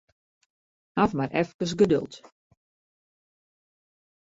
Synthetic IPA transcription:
hafmaɾʔɛfkəs̬ɡədø̰lˠt

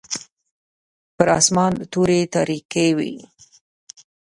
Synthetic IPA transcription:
pəɾɑ̰smɑnd̪ət̪uɾet̪ɑɾikewḭ

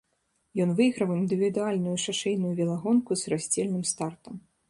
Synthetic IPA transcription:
jɔnvɨɣɾɐwind̪ɨvʲid̪ualʲnujuʂaʂɛjnujuvʲɛlˠaɣɔnkuzrasʲt͡sʲɛlʲnɨmst̪art̪ɐm

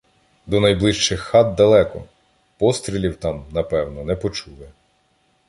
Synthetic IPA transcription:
d̪ɔnɐjblˠɪʃt͡ʃɪxːɑd̪̚d̪ɐlˠɛkɔ̰ | pɔst̪ɾʲilʲiwt̪ɑmnɐpɛwnɔnɛpɔt͡ʃulˠɛ

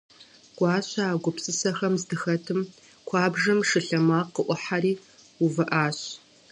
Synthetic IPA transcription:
ɡ̥ʷɑːɕaaːɡʷʊpsɨsɐxɐmzdɨxɐtʰɨm | kʷʰɑːbʐɐmʂɨɬɐmaːqːəʔʷʊħariː | uvɐʔaːɕ

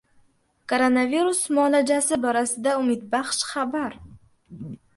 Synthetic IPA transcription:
kʰoɾonaviɾusmɒlad͡ʒasɪbɒɾasɪd̪aʊmɪd̪baχʃχabaɾ

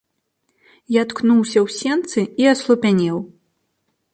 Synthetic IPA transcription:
jat̪knuwsʲɐwsʲɛnt̪sɨiɐslˠupʲanʲɛw

